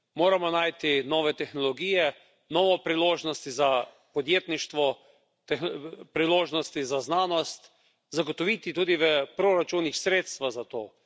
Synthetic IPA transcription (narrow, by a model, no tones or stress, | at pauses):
moːɾamɔnajt̪inɔːʋɛt̪ɛxnɔlɔɡiːjɛ | nɔːʋɔpɾiloːʒnɔst̪iza | pɔd̪jeːt̪niʃt̪ʋɔ | t̪ɛxpɾiloːʒnɔst̪izaznaːnɔst̪ | zaɡot̪ɔʋit̪it̪uːd̪iʋəpɾoɾat͡ʃunixsɾeːt̪st̪ʋaɣzat̪oː